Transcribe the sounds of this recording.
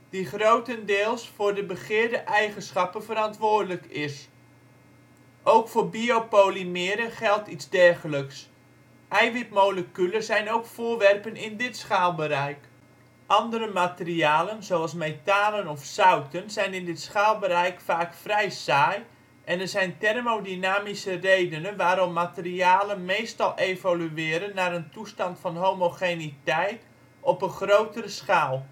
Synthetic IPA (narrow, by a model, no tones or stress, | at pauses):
d̥iχrowtəndɪːlˠsfʊːrdəbəχɪːɹdəʔɛjχənsχɑpənvəɾɑntʋʊːrdələkɪs | ʔowkfʊːrbiopoːlimɪːɾəχɛlˠtitzdɛrχələks | ʔɛjʋip̚mowləkyləzɛjnowkfʊːʋɛrpənɪndɪtsχaːlˠbəɾɛjk | ʔɑndərəmatəriaːlənzowɑlˠsmejtaːlənɔfsawtənzɛjnɪndɪtsχaːlˠbəɾɛjkfaːkfrɛjsaːj | ʔɛnərzɛjntɛrmodinaːmisərejdənənʋaːɾɔmːatəriaːlənmeːstɑlˠʔejvalyɪːɾənːaɾəntustɑntfɑnɦomoxenitɛjt | ɔpənχrowtəɾəsxaːlˠ